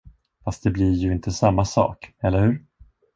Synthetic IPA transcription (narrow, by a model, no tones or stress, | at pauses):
fast̪̚d̪ɛblɪɾjɵɪnt̪ʰəsamːasɑ̰ːkɛlːəɾhʉ̟ːɾ